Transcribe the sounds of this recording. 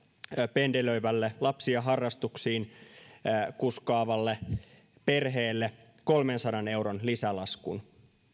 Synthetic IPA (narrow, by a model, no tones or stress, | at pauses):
pendeløiʋælːelɑpsiɑɦɑrːɑst̪uksiːn | kuskɑːʋɑlːe | pe̞rɦeːlːe | kolmensɑdɑne̞uɾonlisælɑskṵn